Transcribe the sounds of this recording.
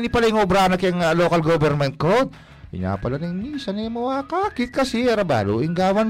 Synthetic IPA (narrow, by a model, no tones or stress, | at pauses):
nipɐlɐjɪŋobɾaːnɐkɪɐŋloːkɐlɡobɛɾmɛnt̪̚kod̪ | hɪ̰ɲa̰ːpɐlɐnɐŋmisɐnɛmoakakɪt̪̚kɐsɪɐɾɐba̰ːlṵːʔɪŋɡaːwɐn